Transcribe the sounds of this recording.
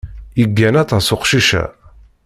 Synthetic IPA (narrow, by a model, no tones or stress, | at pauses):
iɡːænæt̪ˤɑsʊqʃiʃæ̰